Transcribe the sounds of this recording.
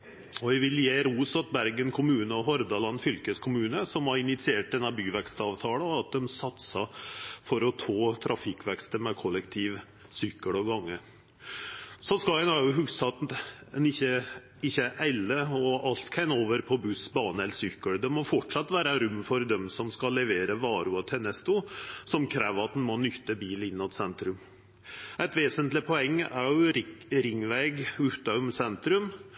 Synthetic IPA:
ɔʋɪʋɪljeːɾuːsɑt̪bæɾɡənkʰʊmʉːnəɔɦɔɾd̪ɑlɑnːfʏlkəskʰʊmʉːnəsɔmhɑɾɪnɪt̪sɪeːʈ̚d̪ɛnːɑbyːʋɛkst̪ɑːʋt̪ʰɑːləɑt̪̚d̪ɛmsɑt̪sɑfɔɾɔt̪ʰɑːt̪ʰɾʔɑfɪkʋɛkst̪əmɛkʰɔlːɛkt̪ʰiːʋ | sʏkːəɽɔɡɑŋːə | sɔnskɑnɑɾjʊɦʉɡsɑt̪ɛnɪçə | ɪçːəʔæɪləɔɑlt̪kʰæɪnoːʋəɾpʰɔbʉsbɑːnəɛləɾsʏkːəɽd̪ɛmɔfɔʈʂɑt̪ːʋæːɾəɾʉmːfɔɾd̪ɛmsɔmskɑlːɛʋeːɾəʋɑːɾʉɔt̪ʰɛnɛst̪ʊsɔmkʰɾæːʋəɾɑt̪̚d̪n̩mɔnʏt̪ːəbiːlɪnːɔt̪sɛnt̪ɾʉm | æɪt̪ʋeːsənt̪lɪpʰɔɛŋːæ̰ɾjʊɾɾɪŋʋæɪɡʉt̪ɑʉmsɛnt̪ɾʉm

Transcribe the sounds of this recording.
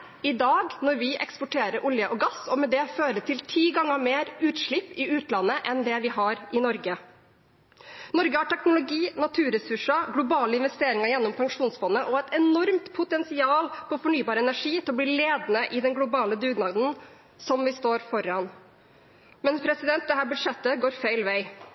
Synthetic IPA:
ɪd̪ɑːɡnɔɾʋɪʔɛ̰kspɔʈʰeːɾəɾʔʊljəʔɔɡɑsɔmɛd̪ɛføːɾət̪ʰɪlt̪ʰiːɡɑŋːəmeːɾʉːt̪ʂɭɪpːɪʉːt̪lɑnːəʔɛnd̪ɛʋɪɦɑɾʔɪnɔɾɡə | nɔɾɡəhɑʈʰɛknʊlʊɡiːnɑt̪ʰʉːɾɛsʉʂəɡlʊbɑːləɪnʋɛst̪eːɾɪŋəɾjɛnːɔmpʰɑŋʂuːnsfɔnːəʔɔɛt̪ɛnɔɾmt̪pʰʊt̪ɛnsɪɑːlpʰɔfɔɳyːbɑːɾəɛnæʂiːt̪ʰɪlɔbliːleːd̪nəʔɪd̪ɛnɡlʊbɑːləd̪ʉːɡnɑd̪n̩ | sɔmʋɪst̪oːɾfɔɾɑn | mɛnspʰɾɛsɪd̪ɛnt̪̚d̪ɛɦæːɾbʉd̪ʂɛt̪ːəɡoːɾfeɪlʋæɪ

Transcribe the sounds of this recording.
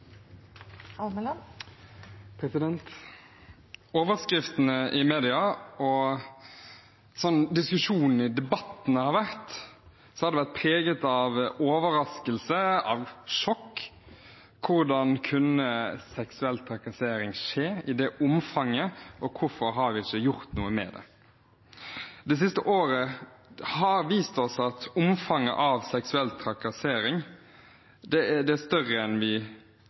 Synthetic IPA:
ɑml | pʰɾɛsɪd̪ɛnt̪ | oːʋəɾskɾɪft̪ənəʔɪmeːd̪ɪɑɔ | sɔnːd̪ɪskʉʂuːnn̩ɪd̪ɛbɑt̪ːn̩əhɑɾʋæɾt̪ | sɔhɑɾd̪ɛʋæɾt̪̚pʰɾeːɡət̪ɑʋoːʋəɾɑskəlsəɑʋʂɔkː | ʊɾd̪ɑnkʰʉnəsɛksʉɛlt̪ʰɾɑkɑseːɾɪŋʂeːɪd̪ɛʔʊmfɑŋːəʔɔkʰʊɾfɔɾɦɑɾʋɪɪçəjʊɾt̪nuːəmɛ̰d̪ɛ̰ | d̪ɛs̬ɪst̪əʔoːɾə | hɑɾʋiːst̪ɔsɑt̪ʊmfɑŋːə̰ʔɑʋsɛksʉɛlt̪ʰɾɑkɑseːɾɪŋ | d̪ɛd̪ɛæst̪œʁəɛnʋɪ

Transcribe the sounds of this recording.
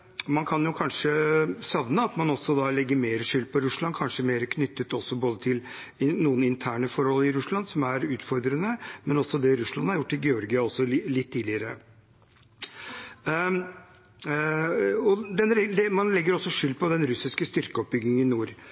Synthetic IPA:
mɑnkʰɑnjʊkʰɑnʂəsɑʋnəɑt̪mɑnɔsːɔd̪ɑlɛɡːəɾmeːɾəʂʏlːpʰɔɾʉʂɭɑnkʰɑnʂəmeːɾəkʰnʏt̪ːət̪ɔsːɔboːd̪ət̪ʰɪl | ɪnuːənɪnt̪ʰæːɳəfɔɾhɔlɪɾʉsɭɑnsɔmæɾʉːt̪fɔɾd̪ɾənəmɛnɔsːɔd̪ɛɾʉʂɭɑnhɑɾjʊʈːɪlɡɛɔɾɡɪɑɔsːɔlɪt̪ʰːiːlɪəɾə | ɔd̪ɛnɾɛd̪ɛmɑnlɛɡːəɾɔsːɔʂʏlːpʰɔd̪ɛnɾʉsɪskəst̪ʏɾkəɔp̚bʏɡnɪŋənɪnuːɾ

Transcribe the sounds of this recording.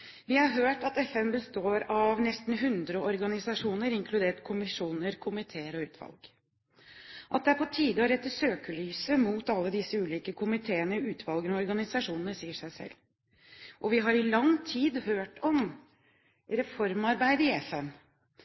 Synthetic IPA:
ʋɪhɑɾɦøːʈɑt̪ɛfɛmbəst̪oːɾɑʋnɛst̪n̩ɦʉnd̪ɾəɔɾɡɑnɪsɑʂuːnəɾɪŋkʰlʉd̪eːʈkʰʊmɪʂuːnəɾkʰʊmɪt̪ʰeːəɾɔʉːt̪ʰʋɑ̰lɡ̥ | ʔɑt̪̚d̪ɛæɾpʰɔt̪ʰiːd̪əɔɾɛt̪ːəʂøːkəlyːsəmuːt̪ɑlːəd̪ɪsːəʉːliːkəkʰʊmɪt̪ʰeːənəʉːt̪ʰʋɑlɡnɔɾɡɑnɪsɑʂuːnənəsiːəʂæɪsɛ̰lː | ʔɔʋɪɦɑɾɪlɑŋt̪ʰiːd̪høːʈɔm | ɾɛfɔɾmɑɾbæɪd̪əɪɛfɛm

